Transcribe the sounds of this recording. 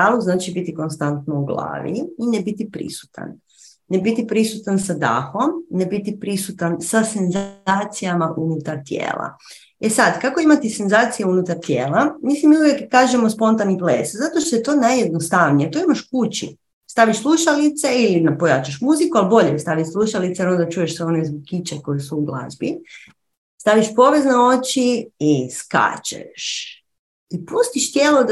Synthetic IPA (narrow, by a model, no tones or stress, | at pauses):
aːluznaːt͡ʃibit̪iko̞nst̪ant̪nouɡlˠa̰ːʋḭinebit̪ipɾḭsu̥t̪a̰nː | ebit̪ipɾisut̪ansad̪a̰ːxo̞mnebit̪ipɾisut̪ansase̞nzaːt̪sijamaʔunut̪aɾt̪jḛːlˠa̰ | esad̪kako̞imat̪ise̞nzaːt̪sijunut̪aɾt̪jeːlˠamisimiuʋjekkːaːʒemospo̞nt̪aniplḛszat̪oʃt̪ojet̪o̞ːnajje̞d̪nost̪aʋnijet̪oimaʃkut͡ɕḭ | st̪aʋiʃslˠuʃalit̪se̞ilinapojat͡ʃaʃ̬muzikualbo̞ʎest̪aʋit̪slˠuʃalit̪seonod̪at͡ʃuːjeʃsʋeo̞nezboɡ̚kit͡ɕeko̞jesuuɡlˠa̰zbi | st̪aʋiʃpo̞ʋe̞zneo̞t͡ɕiiska̰t͡ɕḛʃ | ipust̪iʃt̪jeːlo